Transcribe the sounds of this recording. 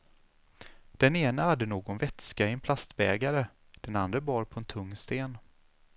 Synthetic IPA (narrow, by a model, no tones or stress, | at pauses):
d̪̥ɛneːnəhad̪ːənoːɡɔnvɛt̪skaɪɛnpʰlast̪bɛːɡaɾə | d̪̥ɛna̰nd̪ɾəbɑːɾpʰɔɛnt̪ʰɵŋːst̪eːn